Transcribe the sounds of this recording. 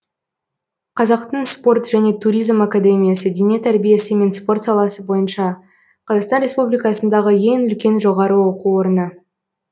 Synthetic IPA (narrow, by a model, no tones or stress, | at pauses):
qʰɑzɑqt̪əɴspo̞rt̪ʒ̥æne̞t̪ʰuɾʲijzmakad̪e̞mʲijasəd̪eniet̪ʰæɾbije̞səme̞nspo̞rt̪sɑlˠɑsəbo̞jənʃɑ | qʰɑzɑqst̪ɑnɾʲe̞spublijkɑsənd̪ɑʁəje̞ŋʏlkʲe̞nʒo̞ʁɑɾəwoquwo̞ɾənə